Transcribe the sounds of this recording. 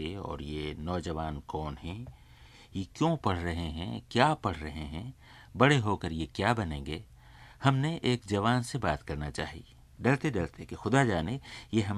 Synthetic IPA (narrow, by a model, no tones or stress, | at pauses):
eɔ̰ːɾjenɔːd͡ʒɐʋaːnkɔːnɦɛ̃ | jekjõpɐɽ̤ɾɐɦeɦɛ̰̃kjaːpɐɽ̤ɾɐɦeɦɛ̃ | bɐɽeɦoːkəɾjekjaːbɐnẽːŋɡeː | hɐmneʔeːkd͡ʒɐʋaːnsebaːt̪kɐɾnat͡ʃaːɦḭ | ɖɐlt̪eɖɐlt̪ekexʊd̪ad͡ʒaːnejeɦɐm